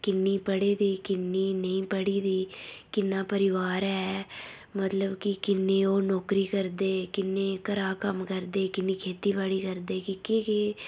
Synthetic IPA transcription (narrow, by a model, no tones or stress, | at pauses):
kɪnːiːpəɽeːd̪iːkɪnːiːnə̃ĩːpəɽiːd̪iːkɪnːãːpəɾɪʋaːɾɛː | mət̪ləbkɪkɪnːẽːoːnɔːkɾiːkəɾd̪eːkɪnːẽːkəɾaːkəmkəɾd̪eːkɪnːiːkʰeːt̪iːbaːɽiːkəɾd̪eːkɪkeke